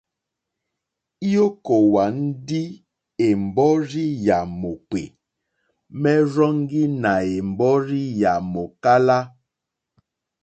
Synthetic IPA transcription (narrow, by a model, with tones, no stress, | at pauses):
i˦o˦ko˨wa˨n̩˦di˦ | e˨m̩˨bɔ˦ɾi˦ja˨mo˨k͡pḛ˨ | mɛ˦ɾɔ˦ŋ˦ɡi˦na˨e˨m̩˨bɔ˦ɾi˦ja˨mo˨ka˦la˦